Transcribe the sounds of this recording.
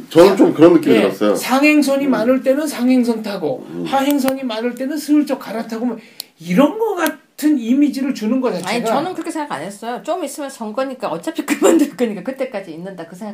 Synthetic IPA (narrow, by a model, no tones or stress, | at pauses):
t͡ɕʌnɯnt͡ɕ͈omkɯɾʌnːɯk͈imiʌ̰s͈ʌjo̰sʰaŋɦe̞ŋs̬ʰʌɲimanɯɭt͈e̞nɯnsʰaŋɦe̞ŋsʰʌŋtʰaɡohaɦe̞ŋsʰʌɲimanɯɭt͈e̞nɯnsʰɯɯɭt͡ɕ͈ʌk̚k͈aɾatʰaɡomʌ | iɾʌnɡʌk͈atʰɯnimid͡ʑiɾɯɭt͡ɕunɯnɡʌt͡ɕaaɲiɡt͡ɕaʌnɯnkɯɾʌkʰeeŋɡaka̰nes͈ʌjot͡ɕomis͈ɯmjʌnsʌŋkʌɲik͈aʌt͡ɕ͈apʰik͈ɯɭbʌndoik͈ɯɲik͈akɯt͈e̞k͈ad͡ʑiːnːɯndakɯsʰeŋɡ